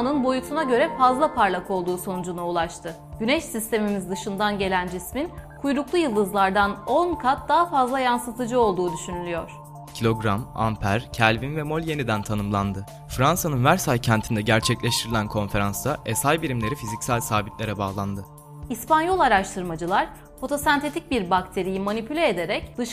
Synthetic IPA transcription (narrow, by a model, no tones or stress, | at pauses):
nɯnbo̞jut̪ʰunaɟø̞ɾɛfazlˠapʰaɾlʲˠako̞lˠd̪uːso̞nud͡ʒunaulˠat͡ʃt̪ʰɯ | ɟ̥ynɛʃsist̪ʰe̞mimizd̪ɯʃɯnd̪anɟe̞lʲænd͡ʒisminkʰujɾuklˠujɯlˠːɯzlˠaɾd̪ano̞nkʰat̪̚d̪aɦafazlˠajansɯt̪ʰɯd͡ʒɯo̞lˠd̪uːd̪yʃynylʲyjo̞̰ɾ̥ | cʰilʲo̞ɡɾama̰mpʰæɾcʰælʲvinvɛmo̞lʲje̞nid̪ænt̪ʰanɯmlˠand̪ɯ | fɾansanɯnvæɾsajcʰænt̪ʰind̪ɛɟæɾt͡ʃʰɛclʲeʃt̪ʰiɾilʲænkʰo̞nfe̞ɾansd̪aʔesajbiɾimlʲe̞ɾifizicsælʲsaːbit̪lʲe̞ɾɛbaːlˠand̪ɯ | ispanjo̞lˠaɾaʃt̪ʰɯɾmad͡ʒɯlˠaɾ̥ | fo̞t̪ʰo̞sant̪ʰe̞t̪ʰic̚biɾbakt̪ʰe̞ɾijimanipʰylʲeːd̪e̞ɾɛcd̪ɯʃ